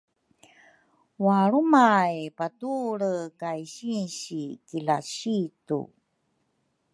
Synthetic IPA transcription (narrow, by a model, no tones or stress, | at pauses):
waɾumajpatuɾəkajɕinɕikilaɕitṵ